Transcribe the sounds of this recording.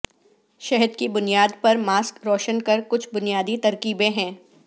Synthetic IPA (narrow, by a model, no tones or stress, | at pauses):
ʃɛɦəd̪kibʊnijaːd̪pɐɾmaːskɾɔːʃənkɐɾkʊt͡ʃʰbʊnijaːd̪it̪ɐɾkiːbẽɦɛ̃ː